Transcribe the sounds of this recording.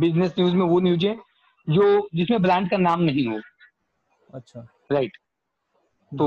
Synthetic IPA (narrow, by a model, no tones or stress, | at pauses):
bɪznesnjuːzmẽʋonjuːd͡ʒɦẽ | d͡ʒoːd͡ʒɪsmẽblɛ̃ːɳɖ̚kanaːmnɐɦĩɦoː | ɐtːʃʰa | ɾaɪʈ | t̪oː